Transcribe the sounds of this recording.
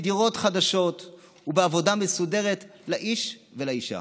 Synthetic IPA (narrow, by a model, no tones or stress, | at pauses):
diʁo̞tχadaʃo̞t | hubeavo̞damesude̞ʁetlaʔiʃvelaiʃa̰